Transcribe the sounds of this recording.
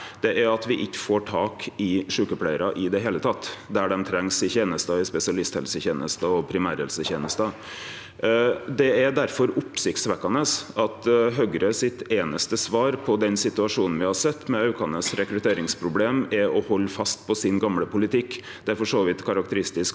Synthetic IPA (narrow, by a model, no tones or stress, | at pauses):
d̪̥ɛʔæɾɑt̪ʋɪʔɪçːə̥foːʈʰɑːkɪʂʉːkəpʰlæɪəɾɑʔɪd̪ɛɦeːlət̪ʰɑt̪ːd̪æɖɛmt̪ʰɾɛŋsɪçeːnəst̪ɑɪspɛsɪɑlɪst̪hɛ̰lsəçeːnəst̪ɑɔpʰɾɪmæːɾhɛ̰lsəçeːnəst̪ə | d̪ɛæd̪æɾfɔɾʊpsɪkt̪sʋɛkːɑnəsɑt̪ɦœɡɾəsɪt̪eːnəst̪əsʋɑːɾpʰɔd̪ɛnsɪt̪ʉɑʂuːnn̩ʋɪhɑsɛt̪ːmɛɑʉkɑnəsɾɛkɾʉt̪ʰeːɾɪŋspʰɾʊbleːmɛɾɔhɔlːfɑst̪̚pʰɔsɪnɡɑmləpʊlɪt̪ʰɪkː | d̪̥ɛæɾfɔʂoːʋɪt̪kʰɑɾɑk̚t̪əɾɪst̪ɪsk